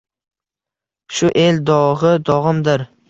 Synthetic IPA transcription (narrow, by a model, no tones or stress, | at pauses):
ʃʊʔe̞ld̪ɒʁɨd̪ɒʁɨmd̪ɪɾ